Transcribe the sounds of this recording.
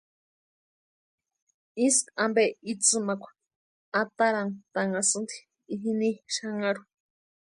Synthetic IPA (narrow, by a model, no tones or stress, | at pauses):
isambeit͡sɨmakʷḁ | at̪aɾant̪aŋasɨnt̪i̥ | iɦiniʃaŋaɾu